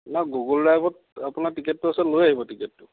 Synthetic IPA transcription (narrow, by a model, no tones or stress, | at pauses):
naɡuɡɔldajbɔt̚ | apʊnatikɛtːuasɛlojaɦibɔtiketːʊ